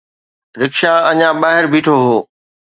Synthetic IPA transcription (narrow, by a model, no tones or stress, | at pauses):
ɾɪkʃaɐɲãɓaːɦɪɾbʱiːʈʰoɦoː